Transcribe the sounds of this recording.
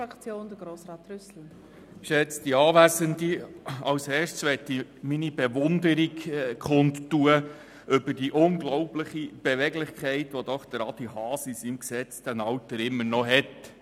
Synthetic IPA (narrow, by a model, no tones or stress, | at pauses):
akt͡sjoːnd̥əɡɾoːsʁɑːtrʏsl̩ | ʃɛt͡sd̥iɑːʋæzəndiɑwsɛːʃsʋɛtiminibeʋʊndəɾikkʰχʊnttːuə | ʔʏbəd̥iʔʊŋɡlɔʊplɪχib̥eʋɛɡlɪχkχɛɪtʋɔd̥̪ɔχd̥əɾɑd̥ihɑːsisimksɛt͡sd̥ænɑwtəɾɪmːənɔɦɛt